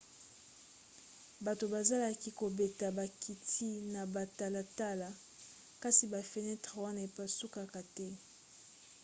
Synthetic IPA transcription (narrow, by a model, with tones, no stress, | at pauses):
ba˨to˨ba˨za˦la˨ki˦ko˨be˨ta˨ba˨ki˨tʰi˦na˨ba˨ta˨la˨ta˦la˨ | ka˦si˨ba˨fe˨nɛ˦tʁa˨wa˦na˨e˨pa˨su˦ka˨ka˨tɛ˦